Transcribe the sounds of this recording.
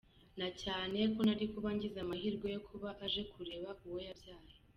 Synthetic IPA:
nacaːne̞konaɾikuβaɲɟizamahiːɾɡo̞jokʰuβaʔaʒe̞kuɾe̞ːβaʔuwo̞jabjaːɾo

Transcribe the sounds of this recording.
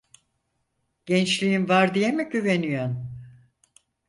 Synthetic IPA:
ɟ̥ɛnt͡ʃlʲijinvaɾd̪ijemiɟyve̞nyjon

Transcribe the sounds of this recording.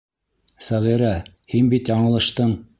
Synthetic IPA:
sæʁiɾæ | hinbit̪jɑɴɤ̆lˠɤ̆ʃt̪ɤɴ

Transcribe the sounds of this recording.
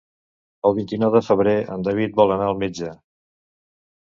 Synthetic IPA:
əlˠβint̪inɔwðəfəβɾeə̰nd̪aβ̞it̪̚bɔlˠənaəlˠmed͡ʒə

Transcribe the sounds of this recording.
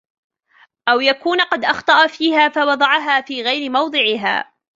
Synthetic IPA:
ʔawjakuːnqɑd̪ʔɑxt̪ˤɑʔafiːɦaːfawɑd̪ˤɑʕɑɦaːfiːɣajɾɪmɑwd̪ˤɨʕɪɦa̰ː

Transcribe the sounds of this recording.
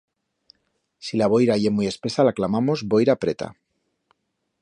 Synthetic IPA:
silaβ̞o̞jɾaʝe̞muje̞spe̞salaklamamo̞zbo̞jɾapɾe̞t̪a̰

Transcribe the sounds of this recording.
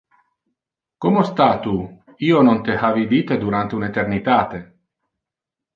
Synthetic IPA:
komost̪at̪u | ionont̪ehavid̪it̪ed̪uɾant̪eunet̪ernit̪aːt̪e

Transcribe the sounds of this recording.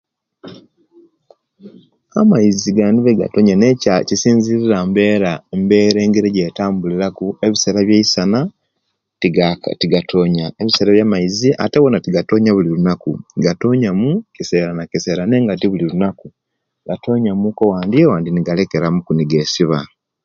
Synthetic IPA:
amaiziɡaːndiβeɡa̰toɲanecacisiːɲziɾiɾambe̞ːɾaembe̞ːɾe̞ːŋɡeɾeɟeːtaːmbuliɾakue̞βise̞ːɾaβjeisana | ttiɡatʰoːɲaeβiseːɾaβjamaiziʔa̰teβo̞natiɡato̞ːɲaβulilunakṵɡato̞ɲamukise̞ɾanakise̞ɾane̞ːŋɡat̬iβulilunaku | ɡato̞ːɲamukowaːndiewaːndiniɡale̞ke̞ɾamukuniɡesiβa

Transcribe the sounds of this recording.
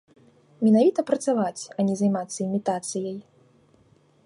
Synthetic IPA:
mʲɛnavʲit̪ɐpɾɐt̪savat͡sʲɐnʲɛzajmat̪sːɐimʲit̪at̪sɨjɐj

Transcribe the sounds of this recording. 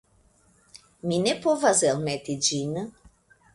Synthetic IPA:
minepovazelmɛt̪id͡ʒinə

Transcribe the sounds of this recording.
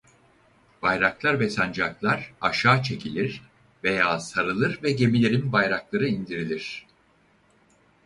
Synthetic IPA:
b̥ajɾaklˠaɾvɛsand͡ʒaklˠaɾaʃaːt͡ʃʰe̞cʰilʲiɾ̥ | ve̞jaːsaɾɯlˠɯɾvɛɟe̞milʲe̞ɾinbajɾaklˠaɾɯind̪iɾilʲiɾ̝̥

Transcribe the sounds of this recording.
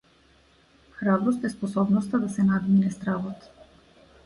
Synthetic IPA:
xɾabɾɔst̪ɛspɔsɔbnɔst̪ad̪asɛnad̪minɛst̪ɾavɔt̪

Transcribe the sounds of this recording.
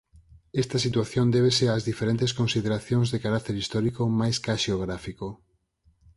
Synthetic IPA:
ɛst̪ɐsit̪waθjond̪eβ̞eseaːzðifeɾẽnt̪eskonsiðeɾaθjoŋzðekaɾak̚t̪eɾist̪ɔɾikomajskaʃeoɣ̞ɾafiko

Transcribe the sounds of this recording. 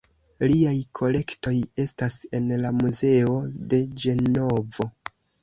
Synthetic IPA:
liajkʰo̞le̞kto̞je̞stase̞nlamuze̞o̞de̞d͡ʒe̞no̞vo̞

